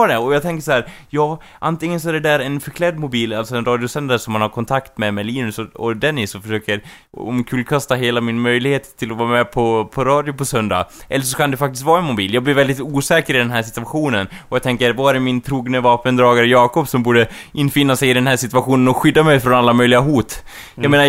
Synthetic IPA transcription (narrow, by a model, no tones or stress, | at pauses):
dɛɔjɑːɡt̪ʰɛŋkəʂahæːɾjɑː | ʔant̪ɪŋːəns̬ɔæɖɛd̪æːɾɛnfœɾkʰlɛd̪mʊbiːlaltsɔɛnɾɑːd̪jʊsɛnd̪aɾʂɔmːanhaɾkʰɔnt̪ʰakt̪mɛmɛliːnɵsɔɔ̰d̪ɛnːɪsɔfœʂøːkəɾ | ɔ̰mkʰʉːlkʰast̪aɦeːlamɪnmœjlɪɡheːt̪ʰːɪlɔvɑːɾamɛpʰɔpʰɔɾɑːd̪jʊpɔsœnd̪a̰ʔɛ̰lːəɾʂ̬ɔkʰand̪ɛfak̚t̪ɪst̪vɑːɾɛnmʊbiːljɑːɡblɪɾvɛld̪ɪt̪uːsɛːkəɾɪd̪ɛnɦæːʂɪt̪ɵaɧuːnənɔjɑːt̪ʰɛŋkəɾvaæɾmɪnt̪ʰɾuːɡnəvɑːpənd̪ɾɑːɡaɾəjɑːkɔpsɔmbuːɖə | ʔɪnfɪnːasɛjɪd̪ɛnɦæːʂɪt̪ɵvaɧuːnənɔɧʏd̪ːamɛjfɾɔnalːamœjlɪɡaɦuːt̪ | jɑmeːna